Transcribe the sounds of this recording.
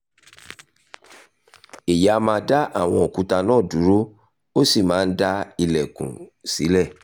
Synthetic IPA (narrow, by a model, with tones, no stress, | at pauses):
e˨ja˨˦˧mãː˧˦da˦ʔa˦˨w̃ɔ̃˧˨o˨kũ˨˦ta˧nãː˦˨du˨˦ɾo˦ | o˦si˦˨mãː˨˦˧n̩˦da˦i˧lɛ˨kṵ̃˨si˨˦lɛ˦˨